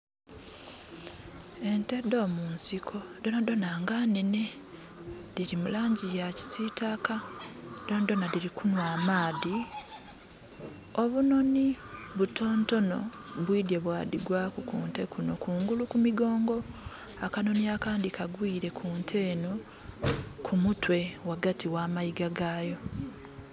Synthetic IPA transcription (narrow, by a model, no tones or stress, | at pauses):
e̞nte̞do̞ːmuːnsikʰo̞do̞nado̞naŋɡanene | diɾimulaːɲɟijaci̥sitakadondo̞nadiɾikunwaːmaːði | o̞βuno̞ni | βuto̞ːnto̞no̞̰ | βwiːdjeβwaːdiɡwakukṵːnte̞kuno̞kuːŋɡulukumiɡo̞ːŋɡo̞ | akano̞niakaːndikʰaɡwiːɾe̞kʰuːntʰe̞ːno | kʰumutwe̞waɡatiwaːmajiɡaɡaːjo̞